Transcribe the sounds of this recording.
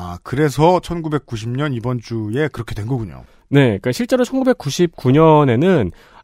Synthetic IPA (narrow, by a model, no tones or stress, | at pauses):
akɯɾe̞sʰʌt͡ɕʰʌnɡube̞k͈̚uɕ̬ʰimɲʌnibʌnt͡ɕ͈ue̞kɯɾʌkʰedwenɡʌɡuɲo̰ | ne̞ik͈aɕʰiɭt͡ɕ͈eɾot͡ɕʰʌnɡube̞k͈uɕʰip̚k͈uɲʌne̞nɯn